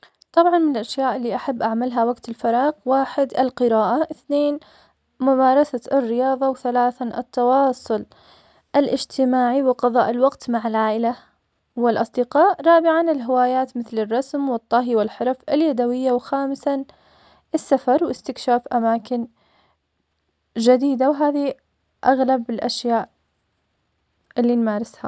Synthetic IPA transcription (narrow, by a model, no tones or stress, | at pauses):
t̪ˤɑbʕɑnmɪnɪlʔaʃjaːʔɪlːiːʔaħabːʔaʕmalɦawaɡt̪ɪlfɑɾˤɑːɣwaːħɪd̪ɪlqɨɾaːʔaʔɪθneːn | mʊmaːɾˤɑsaɪrːɪjɑːðˤɑwθalaːθaʔɪ̰t̪ːɑwɑːsˤʊl | ʔɪlʔɪd͡ʒt̪ʰɪmaːʕiwɪqɑðˤɑ̰ːʔɪlwɑqt̪maʕɪlʕaːʔɪla | wɪlʔɑsˤd̪ɪqɑːʔɾˤɑːbɪʕanɪlɦɪwaːjaːt̪mɪθlɪrˤːɑsmwɨt̪ˤːɑɦiwɪlħɑɾˤfɪljad̪awɪjːawxaːmɪsa | ʔɪsːafɑɾˤwɪst̪ɪkʃaːfʔamaːkɪn | d͡ʒad̪iːd̪awɦaːði | ʔaɣlabɪlʔaʃjaːʔ | ʔɪlːinmaːɾɪsha